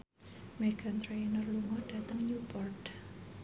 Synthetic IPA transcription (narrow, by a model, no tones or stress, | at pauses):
mɛɡ̥ant̪ɾeinərluŋɔɖ̥ä̤t̪əŋɲupɔrd